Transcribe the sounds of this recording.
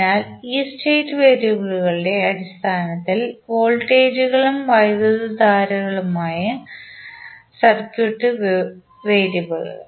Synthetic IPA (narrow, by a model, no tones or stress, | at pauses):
naːliːsteːtːɨʋeːɾjɐbɐɭuɣɐɭɨɽe̞ɐɽist̪ʰaːnɐt̪ːilʋoːɭʈːeːd͡ʑuɣɐɭumʋɐjðɐðud̪aːɾɐɣɐɭumaːjɐ | sɐrkjuʈːɨ | ʋe̞ːɾjubɐɭ̰